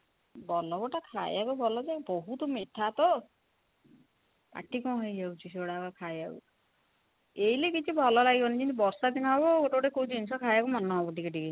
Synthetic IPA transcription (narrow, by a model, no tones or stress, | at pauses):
bɔlɔbɔʈakʰa̰j̰akɔbʱɔlɔd͡ʒeboɦut̪ɔmeʈʰat̪ɔ | a̰ʈʰikɔ̃ɦɔjd͡ʒawt͡ʃʰiseoɽakkʰajaṵ | eilekit͡ʃʰibʱɔlɔlaɡibɔnid͡ʒinibɔɾsad̪inaɦɔbɔɡoʈɔbʈekowd͡ʒinsɔkʰajakumanːɔɦɔbɔʈikeʈike